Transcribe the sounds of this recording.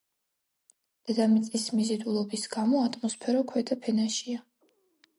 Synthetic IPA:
d̪̥ɛd̪amit̪sʼismizɛd̪ulˠɔbisɡ̥amɔat̪ʰʼmɔspʰɛɾɔkʰwɛd̪apʰɛnaʃia

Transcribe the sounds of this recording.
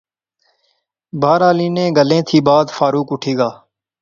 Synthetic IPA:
bʱaːɾaːliːnẽːɡəlẽːt̪ʰiːbaːd̪faːɾuːkʊʈʰiːɡaː

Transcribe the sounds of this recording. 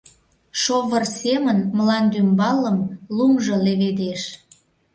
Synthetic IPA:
ʃoβərsemənmlɑnd̪ymbɑlːəmlumʒɤleβed̪eʃ

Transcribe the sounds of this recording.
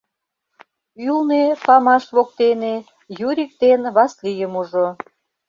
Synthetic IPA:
ylnepɑmɑʃβok̚t̪ene | juɾʲik̚t̪enβɑslijəmuʒo

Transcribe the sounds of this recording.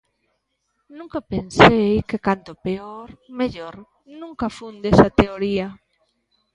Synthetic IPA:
nũŋkɐpensejkekant̪opeoɾmeʎoɾ | nũŋkɐfund̪esɐt̪eoɾiɐ

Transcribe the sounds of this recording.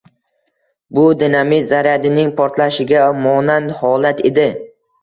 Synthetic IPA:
bʊd̪ɪnamɪzaɾjad̪ɪnɪŋpʰɒɾt̪laʃɪɡʲamɒnanhɒlat̪ʰed̪ɪ

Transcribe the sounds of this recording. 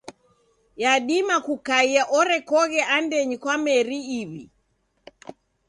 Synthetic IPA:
jaɗimakukaiaʔɔɾɛkɔɣɛʔandɛɲikwamɛɾiːβi

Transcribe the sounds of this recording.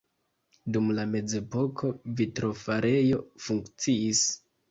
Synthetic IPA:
dumlame̞d͡ze̞po̞kʰo̞vitɾo̞faɾe̞jo̞fuŋkt͡siis

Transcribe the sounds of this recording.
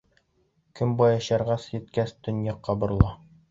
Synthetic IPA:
kɘmbɑjɑɕɑɾʁɑsjɘ̆t̪kæsd̪ɵ̆njɑqːɑbɤ̆ɾ̆lˠɑ

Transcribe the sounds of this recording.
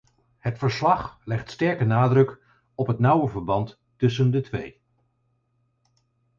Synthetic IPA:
hətfəɹslɑχlɛχtstɛɹkənaːdrɵk | ɔpɦətnʌwəvəɹbɑntː | ɵs̬əndətʋḛj

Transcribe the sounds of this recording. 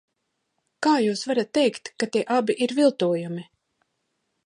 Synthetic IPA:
kaːjuːsvaɾat̪ːɛjkt̪kat̪iɛʔabiʔiɾvilˠt̪uɔjumi

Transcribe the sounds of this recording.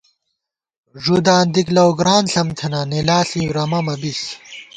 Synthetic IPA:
ʐud̪aːnd̪iklɐwɡɾaːnɬɐmt̪ʰɐnanilaːɬiɾɐmɐmɐbis

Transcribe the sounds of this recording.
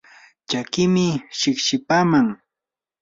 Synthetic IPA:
t͡ʃakɪmɪʃɪkʃɪpaːmaŋ

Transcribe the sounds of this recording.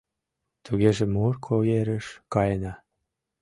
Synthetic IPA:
t̪uɣeʒĕmorkʰojeɾəʃkɑjənɑ

